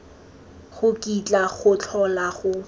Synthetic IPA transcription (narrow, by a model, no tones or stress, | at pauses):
χʊkʼit͡ɬʼaχʊt͡ɬʰɔlaχʊ